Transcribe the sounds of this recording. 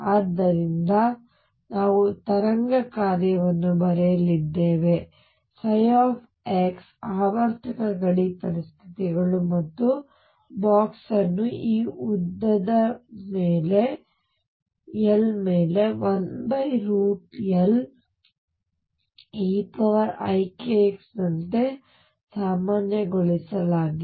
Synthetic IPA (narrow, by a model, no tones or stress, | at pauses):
aːd̪ːɐɾind̪ɐ | naːʋut̪ɐɾɐŋɡɐkaːɾjɐʋɐnːubɐɾɛjɐlid̪ːeːʋe̞ | sɐjaːpʰ | eːksaːʋɐɾt̪ʰɐkɐɡɐɭipɐɾist̪ʰi̥t̪iɡɐɭumɐt̪ːu | baːksɐnːuiːud̪ːɐd̪ɐmeːle̞ | elmeːle̞ʋɐnbɐjɾuːʈɐl | eːpɐʋɐɾɐjkeksnɐnt̪e | saːmaːnjɐɡoɭisɐlaːɡi